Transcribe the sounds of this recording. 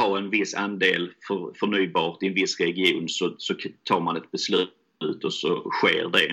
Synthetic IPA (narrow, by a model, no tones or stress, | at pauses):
hɑɾɛnvɪsːand̪eːlfœɾfœɳyːbɑːɾt̪ɪɛnvɪsːɾɛɡɪuːnsɔsɔt̪ʰɑːɾmanɛt̪̚bɛslʉ̟ | ʉ̟ːt̪ɔsɔ̰ɧḛːɾɖɛ